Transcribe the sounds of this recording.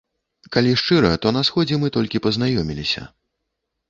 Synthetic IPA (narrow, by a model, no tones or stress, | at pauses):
kalʲiʂt͡ʂɨɾɐt̪ɔnɐsxɔd͡zʲɛmɨt̪ɔlʲkʲipɐznajɔmʲilʲisʲɐ̰